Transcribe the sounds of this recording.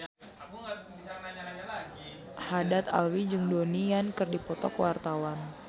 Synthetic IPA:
hadat̪a̰lwid͡ʒəŋdonijankɨrdipɔt̪ɔ̰kwart̪awan

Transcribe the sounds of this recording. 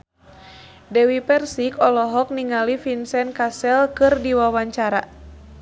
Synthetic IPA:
dɛwipɛrsikɔlɔɦɔk̚niŋalifinsɛnkasɛlkɨrdiwawaɲt͡ʃaɾa

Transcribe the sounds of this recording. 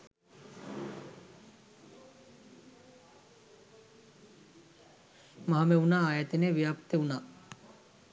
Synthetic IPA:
maɦameunaːajat̪eneʋijapt̪eunaː

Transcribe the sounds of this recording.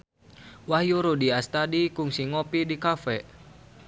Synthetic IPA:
wahjuɾudiast̪adikuŋsiŋɔpidikafɛʔ

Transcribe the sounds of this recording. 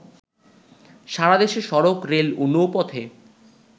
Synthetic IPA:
ʃaɾad̪eʃeʃɔɾokɾelunːopɔt̪ʰe

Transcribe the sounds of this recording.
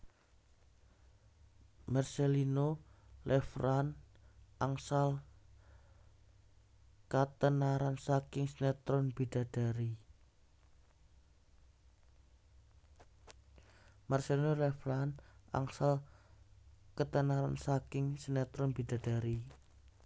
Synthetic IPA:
marselinolʔɛfɾan | ʔaŋsal | kat̪ənaɾansakɪŋsənɛt̪ɾɔnb̥id̥a̤d̥a̤ɾi | marselinolɛfɾana̰ŋsal | kət̪ənaɾa̰nsakɪŋsənɛt̪ɾɔnbid̥a̤d̥a̤ɾi

